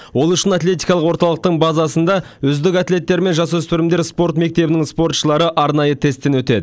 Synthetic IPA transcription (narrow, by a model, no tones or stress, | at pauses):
wo̞lˠʏʃɪnat̪lʲe̞t̪ijkɑlˠəqwo̞ɾt̪ɑlˠəq̚t̪əɴbɑzɑsənd̪ɑ | ʏzd̪ɪkat̪lʲe̞t̪ːe̞ɾɪme̞nʒɑs̬wɵspɪɾɪmd̪e̞ɾspo̞ɾt̪me̞k̚t̪e̞bɪnɪŋspo̞rt̪ʃəlˠɑɾəʔɑɾnɑjət̪ʰe̞st̪ːe̞nwɵt̪e̞d̪ɪ